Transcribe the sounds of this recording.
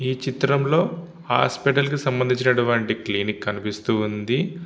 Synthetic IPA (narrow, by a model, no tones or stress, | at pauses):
iːt͡ʃit̪ɾɐmlo̞ː | ha̰ːspiʈ̬ɐlkisɐmbɐnd̪iɲt͡ʃinɐʈuʋaːɳʈikliːnikːɐnipist̪und̪i